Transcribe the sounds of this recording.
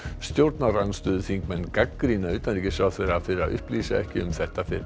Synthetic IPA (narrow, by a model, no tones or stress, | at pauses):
st̪joɾt̪naranst̪øːðθiŋkmɛnɡakːɾinaʉːt̪anlikɪsafɪɾafɪɾɾaʔʏ̰hpliːsa̰ɛ̰hcɪʏ̰mθɛht̪ːafɪɾ